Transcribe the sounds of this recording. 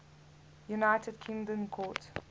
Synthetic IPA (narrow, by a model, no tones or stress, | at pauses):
junaɪtʰəd̚kʰɪ̃ŋdə̃nkʰɔt